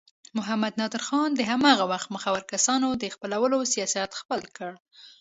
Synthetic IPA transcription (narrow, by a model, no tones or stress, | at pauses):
mʊɦamad̪nɑd̪əɾxɑnd̪əɦamɑɣawaxt̪̚məxawaɾkasɑnod̪əxpəlawəlosijɑsiat̪xpəlkəɽ